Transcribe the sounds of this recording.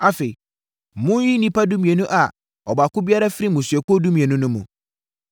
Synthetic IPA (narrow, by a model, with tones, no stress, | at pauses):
a˨fe˨i˨ | mʊ̃˦ji˦nĩ˦pa˦dũ˦mĩ˨e˨nʊ̃˦ʔa˨ | ɔ˨ba˨kʊ˦bi˦a˦ɾa˦fɪ˦ɾi˦mũ˨sɥɛ˨kɔ˦dũ˦mĩ˨ɛ˨nʊ̃˦nʊ̃˦mṵ̃˨